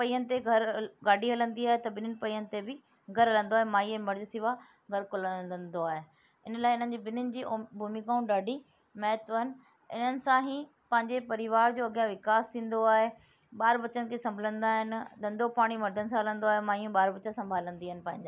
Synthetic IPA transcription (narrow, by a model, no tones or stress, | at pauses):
pɐiːənɪ̆t̪eɡʱɐɾɡaːɖʱiɦɐlə̃nd̪iaːɦet̪ɐbɪnənɪ̆pɐiːənɪ̆t̪ebɪ | ɡʱɐɾɦɐlə̃nd̪oaːɦemaːiẽːmɐɾd͡ʑsiʋa | ɡɐlkʊləənd̪oaːɦe | ɪnlaːeɪn̤ən̆d͡ʑiːbɪnənɪ̆d͡ʑiːbʱuːmikaːũɖaːɖʱi | mɛːt̪ʋəɦnɪ̆ | ɪ̰n̤ənɪ̆sãɦĩ | pɐ̃ɦɪ̃ɲd͡ʑepɐɾɪʋaːɾd͡ʑoːɐɡjãʋɪkaːst̪ʰĩːn̆d̪oaːɦe | ɓaːɾbɐt͡ɕənɪ̆kʰesɐ̃mbʱələ̃nd̪aːɦɪnɪ̆d̪ɐ̃nd̪ʱopaːɽ̃imɐɾd̪ʱənɪsãɦɐlə̃nd̪oaːɦemaːiũɓaːɾbɐt͡ɕəsɐ̃mbʱaːlə̃nd̪iaːɦɪnɪ̆pɐ̃ɦɪ̃ɲd͡ʑaː